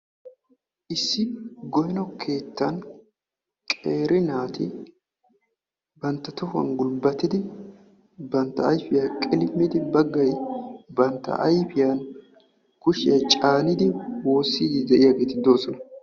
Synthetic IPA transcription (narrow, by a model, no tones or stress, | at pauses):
ʔɪsːɪɡɔjɛnɔkʰe̞ːt̪ːɐn | kʼeːɾɪnaːt̪ɪ | bɐnt̪ːɐt̪ɔfɐ̰nɡʊlbɐt̪ːɪd̪ɪ | bɐnt̪ːɐɐjfɪjakʼɪlɪmːɪd̪ɪbɐɡːɐjbɐnt̪ːɐ̰ʔɐjfɪjɐn | kʊʃɪjɐt͡ʃʼaːnɪd̪ɪwo̞ːsːiːd̪ɪd̪ɛʔɪjaːɡe̞ːt̪ɪd̪o̞ːsɔnɐ